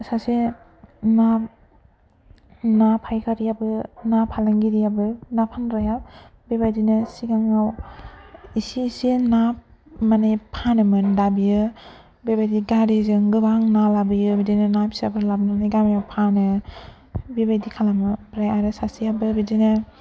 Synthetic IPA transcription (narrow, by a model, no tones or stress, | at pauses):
sase | na | napʰajkʰaɾiabɯnapʰalaŋɡiɾijabɯnapʰanɾajabebajdinɯsiɡaŋaw | isisinap̚manajpʰanɯmɯndabijɯ | bebajdiɡaɾezɯŋɡɯbaŋnalabɯjɯbidinɯnapsiabɯlabnanajɡamajawpʰanɯ | bebajdikʰalamɯbɾajaɾɯsasiabɯbidinɯ